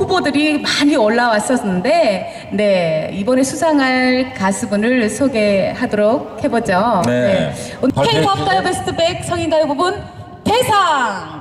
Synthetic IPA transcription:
ɸubodɯɾimaɲiʌɭːawas͈ʌsʌnɯnde̞ | ne̞ibʌne̞sʰusʰaŋɦaɭkasʰɯbunɯɭsʰoɡe̞ɦadoɾok̚he̞bod͡ʑone̞ | onkʰepʰʌp̚t͈ajobesʰɯ̥tʰɯbek̚sʰʌŋinɡajobubun | te̞sʰaŋ

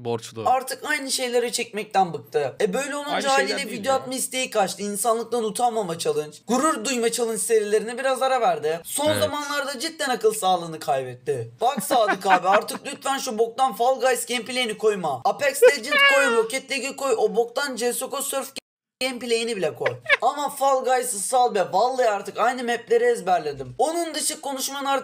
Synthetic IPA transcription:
baɾt̪ʰɯkajnɯʃe̞jlʲe̞ɾɛt͡ʃʰɛc̚ʲmɛc̚t̪ænbɯk̚t̪ʰɯɛbø̞jlʲɛo̞nund͡ʒaːlʲijd̪ʲɛvid̪joat̪̚maist̪ʰe̞jikʰat͡ʃt̪ɯinsanlˠɯk̚lˠanut̪ʰamamat͡ʃʰalˠɯnt͡ʃɡ̥uɾuɾd̪ujmat͡ʃʰalˠɯnt͡ʃse̞ɾilʲe̞ɾinɛbiɾazaɾavæɾd̪ɪso̞nzamanlˠaɾd̪ad͡ʒit̪̚ːɛnakɯlˠsaːlˠɯːnɯkʰajbɛt̪ːɪbaksaːd̪ˠɯkaːbiaɾt̪ʰɯk̚lʲyt̪fænʃubo̞k̚t̪anfalˠɡajsɟʲempilʲe̞jinikʰo̞jmaapʰɛkst̪ed͡ʒinkʰo̞jbocɛt̪lʲeɡiko̞jobo̞k̚t̪and͡ʒɛso̞kosøɾf | ɟempilʲejinibilʲɛkʰo̞jamafalˠɡajsɯsalˠbɛvalˠːɯjaɾt̪ʰɯkajnɯmɛplʲe̞ɾiɛzbæɾlʲed̪imo̞nund̪ɯʃɯkʰːo̞nuʃmanˠaɾ

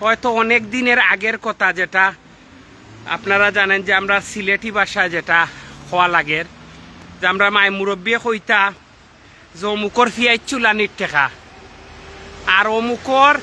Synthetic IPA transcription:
hɔet̪oɔnekd̪ineɾaɡeɾkɔt̪ʰad͡ʑeʈa | a̰pnaɾad͡ʑanend͡ʑeamɾasileʈibaʃaed͡ʑeʈakʰɔwalaɡeɾd͡ʑamɾamaemuɾobːiexojt̪a | zomukoɾfijajt͡ɕʰulaniɾʈʰɛka | aɾomukoɾ

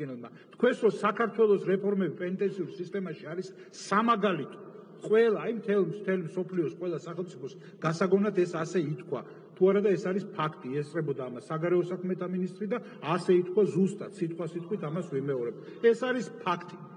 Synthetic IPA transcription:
ɛnɛlˠma | t̪ʰkʰwɛsɾɔsakʰaɾt̪ʰwɛlˠɔsɾɛpʰɔɾmɛbipʼɛnit̪ʼɛnt̪sʰiuɾsist̪ʼɛmaʃiaɾisː | amaɡalit̪ʰɔ̥ | qʼwɛlˠaːimt̪ʰɛlˠmt̪ʰɛlimsɔpʰliɔsqʼwɛlˠasaχɛlˠmt̪sʼipʰɔs | ɡ̥asaɡɔnat̪ʰɛsasɛit̪ʰkʰwa | t̪ʰuaɾad̪aɛsaɾispʰakʰt̪ʼiɛst̪ʼɾɛbɔd̪aːmasːaɡaɾɛɔsakʰmɛt̪ʰaminist̪ʼɾid̪a | asɛit̪ʰkʰwazust̪ʼat̪ʰsit̪ʼqʼwasit̪̚ʼqʰʼwit̪ʰamasvimɛɔɾɛb̚t̪ | ɛsaɾispʰakʰt̪ʼi

